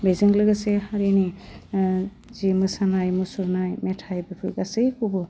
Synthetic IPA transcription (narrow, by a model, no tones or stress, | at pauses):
bejzŋlɯɡasehaɾini | zimɯsanajmɯsuɾnajmetʰajbepʰɯjɡasɯjkʰubɯ